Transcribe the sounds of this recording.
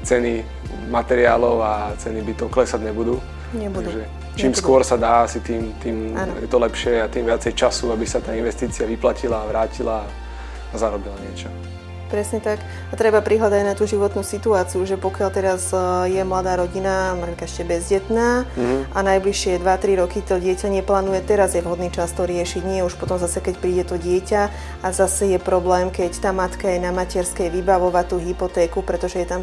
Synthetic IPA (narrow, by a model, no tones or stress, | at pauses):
t͡sɛni | mat̪ɛɾia̰ːlɔʊat͡sɛnibit̪ɔʊklɛsaɟɲɛbud̪uː | ɲɛb̪uaɡd̪uʒɛ | t͡ʃiːmsskʊɔɾsad̪aːasit̪iːmt̪iːmanjɛ̰t̪ɔlɛpʃɪɛat̪iːmʋɪat͡sɛjt͡ʃasuabisat̪aːinʋɛst̪iːt͡siaʋiplacilaːʋɾaːcilaː | zaɾɔbilaɲɪɛt͡ʃɔ | pɾɛsɲɛt̪ak | at̪ɾɛbapɾiɦlad̪aɟnat̪uːʒiʋɔt̪nusit̪uaːt͡siuʒɛpɔkɪalt̪ɛɾazjɛmlad̪aːɾɔɟinamaɾɛlkaɛʃcɛbɛzɟɛt̪naːʔanajbliʃɪɛd̪ʋat̪ɾiɾɔkit̪ɔɟɪɛcaɲɛplaːnujɛt̪ɛɾazjɛvɦɔd̪niːt͡ʃast̪ɔɾɪɛʃiɟɲɪɛuʃpɔt̪ɔmzasɛkɛcpɾiːɟɛt̪ɔɟɪɛca | azasɛjɛpɾɔblɛːmkɛct̪aːmat̪kajɛnamacɛɾskɛjʋibaʋɔʋat̪ːuːɦipɔt̪ɛːkupɾɛt̪ɔʒɛjɛt̪am